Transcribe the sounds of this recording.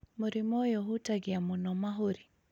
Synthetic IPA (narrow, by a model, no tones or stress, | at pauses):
muɾimɔjɔɦutaɡiamunɔmaɦuɾi